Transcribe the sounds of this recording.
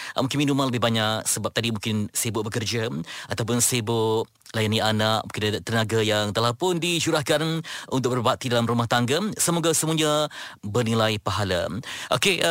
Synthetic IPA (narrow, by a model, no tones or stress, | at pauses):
mũŋkɪnminumanləbɪɦbaɲaksəbap̚t̪adimũŋkɪnsibʊʔ̚bəkərd͡ʒaat̪awp̬ʊnsibʊʔ | lajaniʔanak̚mũŋkɪnt̪ənaɡajaŋt̪əlahpʊndiʃuɾahkanunt̪̬ʊk̚bərbaʔ̚t̪idalamrumaht̪aŋɡasəmoɡasəmuaɲabərnilajpaɦala̰ʔo̰keʔ